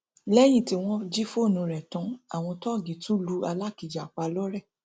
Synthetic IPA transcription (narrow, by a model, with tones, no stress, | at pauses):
lɛ˦j̃ĩ˦˨ti˧w̃ɔ̃˦d͡ʒi˦fo˦˨nũ˨˧ɾɛ˨tɔ̃˧˦a̰˨w̃ɔ̃˧tɔ˦˨ɡĩ˨tũ˦lu˦a˧la˦˨ki˨d͡ʒa˨k͡pa˧lɔ˦ɾɛ˦˨